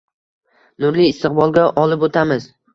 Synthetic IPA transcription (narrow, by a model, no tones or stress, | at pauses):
nʊɾliɪst̪ɨq̚bɒlˠɡʲaʔɒlɪpot̪ʰamɪz̥